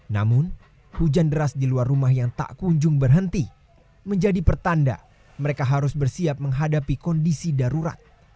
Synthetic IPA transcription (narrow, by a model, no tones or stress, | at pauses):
namʊn | hud͡ʒandəɾasdiluarːumahjaŋt̪a̰ʔkuɲd͡ʒʊŋbərɦənt̪i | məɲd͡ʒadipərt̪anda̰ | məɾekaɦaɾʊsbərsiap̚məŋɦadapikɔndisidaɾuɾa̰t̪̚